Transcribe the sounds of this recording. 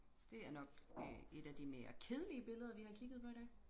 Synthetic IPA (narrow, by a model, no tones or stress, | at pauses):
d̥e̝æɐnɒ̽ɡ̥e̝ɾ̥æd̥ime̝ːɐ̰kʰeð̞ˠəliəb̥e̝ləð̞ˠɐʋihɑ̈kʰiɡ̥ð̞̩ˠpʰɒ̽ed̥ɛ